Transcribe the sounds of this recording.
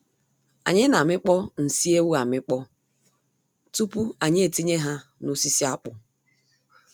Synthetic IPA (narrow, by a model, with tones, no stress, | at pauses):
a̰˨ɲɪ˦na˨mɪ˦k͡pɔ˦n̩˨si˦e˦wu˦a˨mɪ˦k͡pɔ˦ | tu˦pu˦a˨ɲɪ˦e˨ti˦ɲe˦ɦa˦no˦si˦si˦a˦k͡pʊ˨